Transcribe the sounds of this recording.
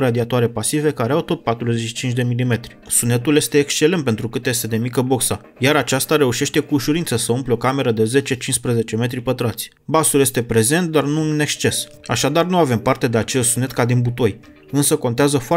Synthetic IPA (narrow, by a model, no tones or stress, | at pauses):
ɾad̪iat̪oaɾe̞pasive̞kaɾeawt̪o̞t̪̚pat̪ɾuze̞t͡ʃʃi̥t͡ʃint͡ʃ̬ʲd̪e̞milime̞t̪ɾi̥sune̞t̪ulje̞st̪e̞ːkst͡ʃe̞le̞nt̪̚pe̞nt̪ɾukɨt̪je̞st̪e̞d̪e̞mikəbo̞ksa | jaɾat͡ʃast̪aɾe̞uʃe̞ʃt̪e̞kuːʃuɾinsəsəumpleokame̞ɾəd̪e̞ze̞t͡ʃe̞t͡ʃinspɾəze̞t͡ʃe̞me̞t̪ɾipət̪ɾat̪sʲ | basulje̞st̪e̞pɾe̞ze̞nt̪̚d̪arnuɨne̞kst͡ʃe̞s | a̰ʃad̪arnuave̞mpart̪e̞d̪eat͡ʃe̞ssune̞t̪̚kad̪inbut̪o̞j | ɨnsəko̞nt̪eazəfoa